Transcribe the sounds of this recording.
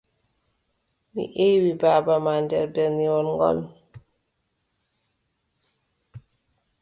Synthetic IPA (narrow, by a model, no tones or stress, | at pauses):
mḭʔewibaːbamandɛɾbɛɾniwɔnŋɡɔ̰n